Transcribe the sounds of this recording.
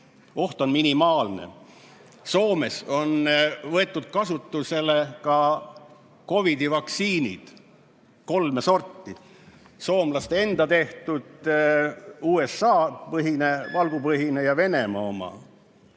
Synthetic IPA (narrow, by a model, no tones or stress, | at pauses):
o̞ht̪o̞nminimɑːlnḛ | so̞ːme̞so̞nvɤ̞e̞t̪ːˑud̪̥̚kɑsut̪ˑːuse̞lekɑ | ko̞vid̪ivɑksiːnḭd̪̥ | ko̞lmeso̞rt̪ːi | so̞ːmlɑst̪ee̞nd̪̥ɑt̪e̞ht̪ud̪̥ | uːe̞sɑːpɤɦine̞vɑlɡ̥upɤɦinejɑve̞ne̞mɑo̞mɑ̰